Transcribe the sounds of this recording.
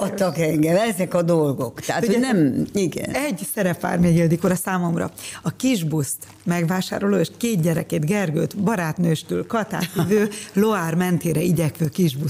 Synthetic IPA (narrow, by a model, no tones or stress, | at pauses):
ɒt̪ːɒkɛŋɡɛmɛzɛkɒd̪o̞lɡo̞kt̪ɛɦat̪oonɛmiɡɛ̰nɛɟsɛɾɛpːa̰ːrmeːɡild̪ikoɾɛsaːmo̞mrɒ̰ɒkiʒbust̪ | mɛɡʋaːʃa̰ːɾo̞loːeːʃkeːd̪̚ɟɛɾɛ̰keːt̪ɡɛrɡø̰ːt̪bɒɾaːt̪nøːʃt̪ylkɒt̪a̰ːt̪vøːloaːrmɛnt̪eːɾɛiɟɛkʋøːkiʒbus